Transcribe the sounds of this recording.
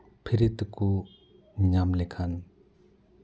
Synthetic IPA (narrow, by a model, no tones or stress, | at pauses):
pʰiɾit̪ku | ɲamlekʰan